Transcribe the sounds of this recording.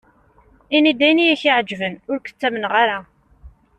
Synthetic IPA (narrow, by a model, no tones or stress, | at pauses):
inid̪æjnijæçiʕəd͡ʒːvənʊɾkə̥t͡sːæmənʁaɾa